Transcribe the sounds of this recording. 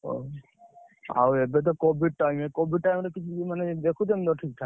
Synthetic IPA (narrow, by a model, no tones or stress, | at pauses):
o̰ | a̰webet̪̬ɔkobʱiɖ̚ʈajmekobʱiɖ̚ʈajmɾekit͡ʃʰumaned̪ekʰut̪̬emt̪̬ɔʈʰik̚t̪ʰak